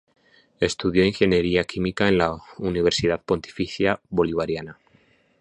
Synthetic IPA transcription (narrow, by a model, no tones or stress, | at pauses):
e̞st̪uð̞jo̞iŋxe̞nje̞ɾiakimikaenlauniβ̞e̞ɾsiðaðpo̞nt̪i̥fiθjaβo̞liβ̞aɾjana